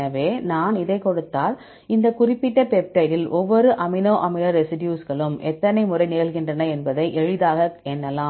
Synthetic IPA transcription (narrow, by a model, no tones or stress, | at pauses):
ɐʋeːnaːnɪðɐɪkɔɽɯt̪ːaːl | ɪnd̪ɐkʊrɪpːɪʈːɐpɛp̚ʈɐðɪlʔɔʋːɔɾɯʔɐmɪnoːʔɐmɪnɐɾɛsɪɖjuːsɣɐɭɯmʔɛt̪ːɐnɐɪmʊrɐɪneːlɣɪndrɐnɐɛnbɐðɐɪʔɛɻɯðaːɣɐɛnːɐlaː